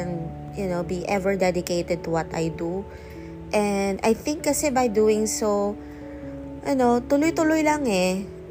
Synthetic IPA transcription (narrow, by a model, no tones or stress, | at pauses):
ɛ̃n | jʊnobiʔɛvɛɹd̪ɛd̪ɪkejt̪ɛd̪̚t̪ʊwɔt̪a̰jd̪u | ʔɛnd̪a̰jθɪ̃ŋkːɐsɛbɐjd̪uːɪ̃ŋso | ʔɐnot̪ʊlojt̪ʊlojlaŋɛ